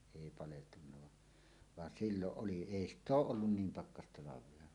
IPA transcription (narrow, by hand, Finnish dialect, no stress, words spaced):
eˑi pɑleltunːɑ ʋɑ ʋɑn silːoʔ ʔoli eˑi stˑ oːʔ ʔolːun niːm pɑkːɑstɑlɑʋˑeɑ